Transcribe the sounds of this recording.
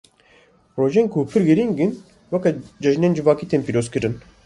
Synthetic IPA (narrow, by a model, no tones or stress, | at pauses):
ɾoʒɛŋkʰuːpʰiɾɡeɾiŋɡin | wakad͡ʒaʒnɛnd͡ʒivaːkit̪ʰempiɾoskɯɾɯn